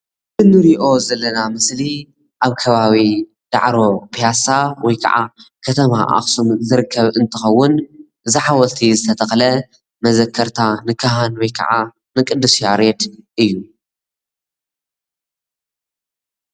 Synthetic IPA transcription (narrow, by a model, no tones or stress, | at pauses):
ɨnɨɾiʔo̞zɐlːɐnamɨsli | ʔaβkʰɐβaβi | d̪̥a̰ʕɾo̞pʰijasawɔjkʰɐ̰ʕa̰kʰɐt̪ʰɐmaʔa̰xsumzɨɾɨkʰːɐβɨnt̪ʰɨxɐwːʊn | ʔɨziħawɔlt̪ʰizɨt̪ʰɐt̪ʰɐxlɐ | mɐzɐkʰːɐɾt̪ʰanɨkʰaɦanwɔjkʰɐ̰ʕa | nɨkʼɨd̪ːɨsjaɾet̪ʔɨjːu